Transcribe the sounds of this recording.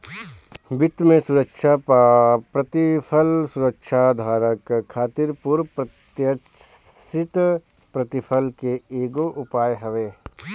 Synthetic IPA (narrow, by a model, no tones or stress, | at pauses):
bɪt̪mẽsʊɾəkʃa | pɾɐt̪ɪpʰəlsʊɾəkʃad̪ʱaːɾəkkʰːaːt̪ɪɾpʊɾpɾət̪jə | sɪt̪ | pɾɐt̪ɪpʰəlkeeːɡoʔʊpaːjɦəʋeː